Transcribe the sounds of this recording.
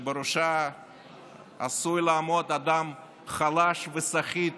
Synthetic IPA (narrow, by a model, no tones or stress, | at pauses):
beɾuʃa | sujlaamod̪ad̪am | χalaʃvesaχit̪